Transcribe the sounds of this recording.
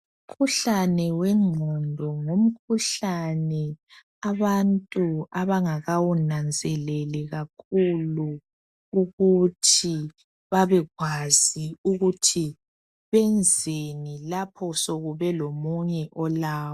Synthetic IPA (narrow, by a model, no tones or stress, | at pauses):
um̩kʰuɬanɛwɛŋ͡ǀʱɔndʱɔŋom̩kʰuɬanɛ | aβantʼuaβaŋaɣawunand͡zʱɛlɛlɛɣakʰulu | uɣutʰi | βaβɛɣwaz̥iuɣutʰi | βɛnd͡zʱenilapʰɔsoɣuβɛlomuɲɛʔɔlaːwɔ